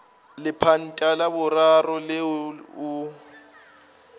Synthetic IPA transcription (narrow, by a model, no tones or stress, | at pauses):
lɪpʰan̩tʼalabʊrarɔlɪʊ